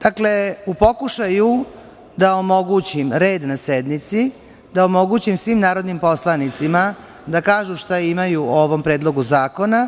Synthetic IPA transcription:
d̪̥akle̞upo̞kuʃaju | d̪aomo̞ɡut͡ɕimɾe̞ːd̪nased̪nit̪si | d̪aomo̞ɡuːt͡ɕimsʋimnaːɾo̞d̪nimpo̞slˠanit̪sima | d̪akaːʒuʃt̪aimajuoʋo̞mpɾe̞ːd̪lˠo̞ɡuzaːko̞na

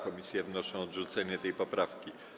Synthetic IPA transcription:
kɔmʲisʲjɛvnɔʂɔ̃ɔd̪ʐut̪sɛɲɛt̪ɛjpɔpɾafkʲi

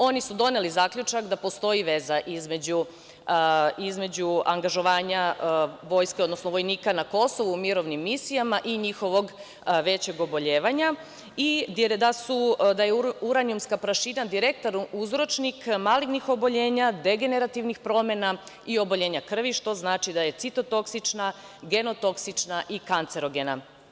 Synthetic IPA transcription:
o̞nisud̪o̞ne̞lizaːkʎʲut͡ʃakd̪apo̞st̪o̞iʋe̞zaʔizme̞d͡ʑu | izme̞d͡ʑuaŋɡaʒo̞ʋaːɲaʋo̞jskeo̞d̪nosnoʋo̞jniːkanako̞so̞ʋuːmiɾo̞ʋnimːisijamaʔiɲixo̞ʋo̞ɡ | ʋe̞t͡ɕe̞ɡo̞bo̞ʎe̞ːʋaɲa | id̪d̪asud̪ajeuɾanijumskapɾaʃinad̪iɾekt̪oɾuzɾo̞t͡ʃnikmaliɡnixo̞bo̞ʎe̞ːɲad̪e̞ɡe̞ne̞ɾat̪iʋnixpɾo̞mena | io̞boʎe̞ːɲakr̩ʋiʃt̪o̞znaːt͡ʃid̪aje̞t̪sit̪o̞t̪o̞ksit͡ʃna | ɡe̞no̞t̪o̞ksit͡ʃnaʔikant̪se̞ɾo̞ɡena

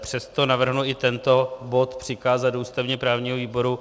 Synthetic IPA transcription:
pr̝̥ɛst̪o̞navr̩ɦnuɪt̪ɛnt̪o̞bo̞t̪pr̝̥ɪkaːzatduːst̪avɲɛpɾaːvɲiːɦoviːbo̞ɾu

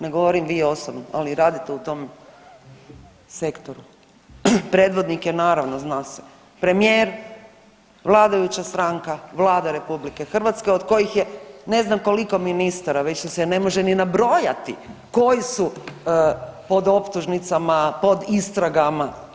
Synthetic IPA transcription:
neɡo̞ʋoɾimʋiːo̞sobnoa̰liɾaːd̪it̪eut̪o̞m | se̞kt̪o̞ɾu | pɾe̞ːd̪ʋo̞d̪nikjenaːɾaʋnoznaːse̥ | pɾe̞mijeːɾ | ʋlˠaːd̪ajut͡ɕast̪ɾaŋkaʋlˠaːd̪aɾe̞publike̞xr̩ʋat̪skeod̪ko̞jixjene̞znamko̞liko̞minist̪aɾaʋet͡ɕsosene̞mo̞ʒeninabɾo̞ːjat̪ḭko̞jisu | po̞d̪o̞pt̪uʒnit̪samapo̞d̪ist̪ɾaɡama

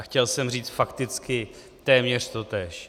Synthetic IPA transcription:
xcɛlsɛmriːt͡st̪fakt̪ɪt͡skɪ | t̪ɛːmɲɛr̝̥t̪o̞t̪ɛːʃ

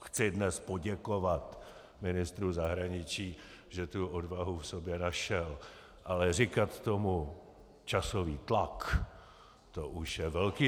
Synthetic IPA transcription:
xt͡sɪdnɛspo̞ɟɛko̞vat̪ | mɪnɪst̪ɾuzaɦɾaɲɪt͡ʃiː | ʒɛt̪uodvaɦufsobjɛnaʃɛl | ʔalɛr̝ɪkat̪t̪omu | t͡ʃasoviːt̪lak | t̪oʔuʃjɛvɛlkiː

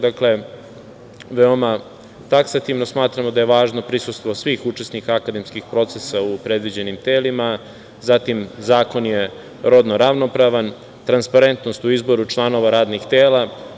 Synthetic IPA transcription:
d̪akle̞ | ʋeo̞ma | t̪aksat̪iʋno̞smaːt̪ɾamod̪aje̞ʋaːʒno̞pɾisust̪ʋosʋiːxut͡ʂe̞snikaakad̪e̞mskixpɾo̞t̪sesaupɾe̞d̪ʋid͡ʑe̞nimt̪eːlima | zat̪imzaːko̞nje̞ | ɾo̞d̪noɾaʋno̞pɾaʋan | t̪ɾanspaɾe̞nt̪no̞st̪uizbo̞ɾut͡ʃlˠano̞ʋaɾaːd̪nixt̪eːla

